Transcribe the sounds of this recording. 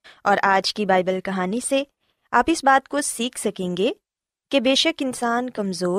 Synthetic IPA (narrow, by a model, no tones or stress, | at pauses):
ɔːɾʔaːd͡ʒkibaːɪbəlkɐɦaːnise | aːpɪsbaːt̪̚kosiːkʰsɐkẽːŋɡe | kebeːʃəkɪnsaːnkɐmzoː